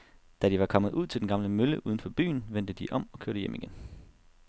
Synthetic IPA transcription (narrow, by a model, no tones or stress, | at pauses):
d̥æd̥iʋɑ̈kʰɒ̽m̰ð̩ˠuð̞̰ˠt͡s̝ʰld̥enɡ̥ɑ̈mləmøləʔuð̞ˠn̩fɒ̽b̥y̰ːnʋen̰d̥əd̥iʔɒ̽m̰ɒ̽kʰøɐɾ̥əjemʔiɡ̥en